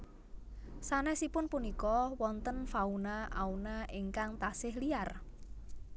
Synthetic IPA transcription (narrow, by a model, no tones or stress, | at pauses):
sanɛsipʊnpunikɔwɔnt̪ənfaunaʔaunaʔɪŋkaŋt̪asɪhliar